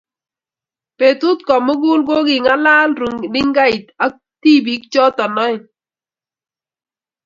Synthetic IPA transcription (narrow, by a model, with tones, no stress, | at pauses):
pe˨tʊ˦tkɔ˨mʊ˦ɡʊ˦lɡo˦ɡɪ˨ŋa˦la˦lɾu˨ŋ˨nɪ˦ŋɡa˦i˨ta˦k̚ti˦bi˦k̚t͡ʃɔ˦tɔ˨nɔ˦ɪ˨